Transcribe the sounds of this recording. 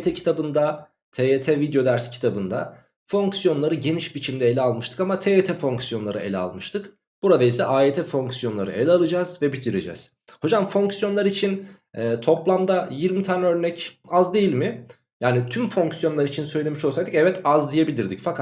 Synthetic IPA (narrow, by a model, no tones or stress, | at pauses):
t̪ʰɛcʰi̥t̪ʰabɯnd̪a | t̪ʰeet̪ʰɛvid̪jo̞d̪æɾscʰi̥t̪ʰabɯnd̪a | fo̞ŋksjo̞nlˠaɾɯɟe̞niʃbit͡ʃʰimd̪ɛelʲɛalˠmɯʃt̪ʰɯ̥kamat̪ʰeet̪ʰɛfo̞ŋksjo̞nlˠaɾɯelʲɛa̰lˠmɯʃt̪ʰɯk | b̥uɾad̪aisɛʔaːet̪ʰɛfo̞ŋksjo̞nlˠaɾɯ̰ʔelʲalˠɯd͡ʒaz̥vɛbit̪ʰiɾid͡ʒɛ̰z̥ | ho̞d͡ʒamfo̞ŋksjo̞nlˠaɾit͡ʃʰin | ɛːt̪ʰo̞plˠamd̪ajiɾmit̪ʰaːnɛø̞ɾnɛcazd̪e̞jilʲmɪ | jaːnit̪ʰymfo̞ŋksjonlˠaɾɯit͡ʃʰinsø̞jlʲe̞miʃosajd̪ɯcɛvɛt̪azd̪ijebilʲiɾd̪icfakʰa